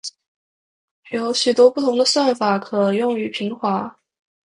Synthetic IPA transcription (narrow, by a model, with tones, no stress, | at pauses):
jo˧˥ʊɕy˨˩t̪wɔ˥pu˥˩t̪ʰʊ˧˥ŋd̪ə˧swa˥˩nfa˨˩kʰɤ˨˩jʊ˥˩ŋy˧˥pʰi˧˥ŋxwa˧˥